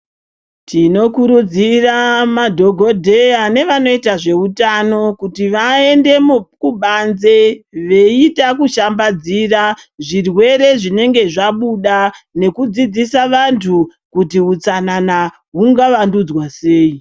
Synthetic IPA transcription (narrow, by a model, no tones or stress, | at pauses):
tʰino̞kuɾud͡ziramadʱo̞ɡʱo̞dʱejane̞ʋano̞itaʐe̞utano̞kutiʋae̞nde̞mukuɓanze̞ʋe̞itakuʃambad͡ziraʐirwe̞ɾe̞ʐine̞ŋɡe̞ʐaɓuɗane̞kud͡zid͡zisaʋantʰu | kutiɦut͡sanana | ɦuŋɡaʋandud͡zwase̞ːi